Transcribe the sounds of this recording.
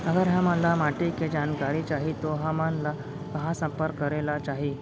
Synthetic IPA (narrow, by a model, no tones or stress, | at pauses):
əɡəɾɦaməlamaʈiked͡ʑankaɾiːt͡ɕaɦit̪oɦamanla | kəɦãsəmpəɾkːəɾelat͡ɕaɦi